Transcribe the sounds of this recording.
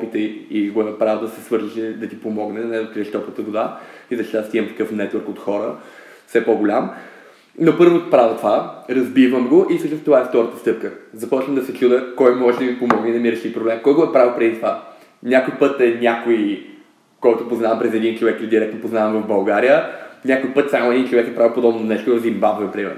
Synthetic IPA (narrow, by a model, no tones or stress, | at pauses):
ɔpit̪əiɡoɛnɐpɾavəd̪ɐsɛsvɤɾziʃɛd̪ɐt̪ipomɔɡnɛɐnɛd̪ɐkɾiəʃt̪ɔpət̪əɡʊd̪aizɐʃt̪it̪ast̪iəmt̪ɐ̥kɤfnɛt̪vəɾkot̪xɔɾə | fsɛpɔɡʊlʲam | nopɤɾvot̪pɾavət̪ovaɾɐzbivəmɡoʔisəʃt̪nst̪ovaɛft̪ɔɾət̪ə̥st̪ɤp̚kəzɐpɔt͡ʃvəmd̪ɐsɛt͡ʃud̪əkɔjmɔʒɛd̪ɐmipomɔɡnɛd̪ɐmiɾɛʃipɾoblɛmkɔjɡoɛpɾavlˠpɾɛd̪it̪ova | nʲakojpɤt̪ɛnʲakoi | kɔjt̪ʊpoznavɐmpɾɛzɛd̪int͡ʃovɛkld̪iɾɛk̚t̪nopoznavɐmvəvbɐlˠɡaɾijənʲakojpɤt̪samoɛd̪int͡ʃovɛkɛpɾavipod̪ɔbnonɛʃt̪oɾɐzimbazɐpɾimɛ̰ɾ